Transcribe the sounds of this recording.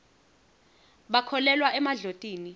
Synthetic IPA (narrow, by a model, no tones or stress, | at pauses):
ɓakʰɔlɛlwaʔɛmaɮotʼiːni